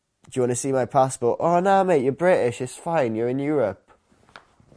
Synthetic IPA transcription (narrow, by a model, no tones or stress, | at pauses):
d̥jəwɒ̃nəsiːmaɪpʰaspɔˑtəɹənaʊmeɪʔəbɹɪtɪʃɪz̥fãɪ̃njəɹɪ̃njɔːɹəp̚